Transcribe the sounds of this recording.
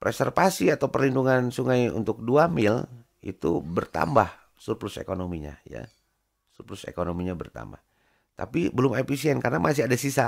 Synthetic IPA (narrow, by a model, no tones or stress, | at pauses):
pɾɛsɛrfasiat̪aupərlinduŋansuŋajṵnt̪ʊk̚duamɪl | ḭt̪ṵbərt̪a̰mbah | surplʊsḛkonomiɲa̰ja̰ | surplʊsḛkonomiɲabərt̪a̰mba̰h | t̪a̰pibəlʊmefisiɛnkarnamʔas̬ɪhadasisa